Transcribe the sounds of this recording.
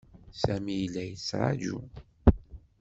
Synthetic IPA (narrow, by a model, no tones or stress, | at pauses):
sæmijlːæjət͡sːɾˤɑ̰d͡ʒṵ